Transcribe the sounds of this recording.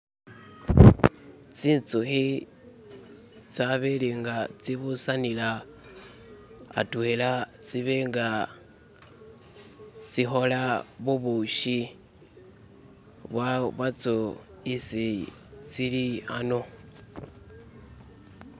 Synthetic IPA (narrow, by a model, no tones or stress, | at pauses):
t͡siːnt͡suxi | t͡saβeliŋɡat͡siβusanila | a̰tuelat͡siβeŋɡa | t͡sixolaβuβuʃi | βwaβat͡so | isi | t͡silihano